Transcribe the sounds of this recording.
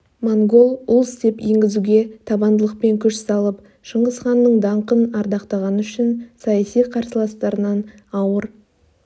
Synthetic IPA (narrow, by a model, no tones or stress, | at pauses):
moŋɡo̞lˠʊlˠst̪e̞pjeŋɡʲɪzuɡʲe̞t̪ʰɑbɑnd̪əlˠəq̚pe̞ŋkʲʰʏʃsɑlˠəp | ʃəɴʁəsχɑnːəɴd̪ɑɴqənɑɾd̪ɑqt̪ɑʁɑnəʏʃɪnsɑjɑsijqʰɑɾsəlˠɑst̪ɑɾənɑn | ɑwəɾ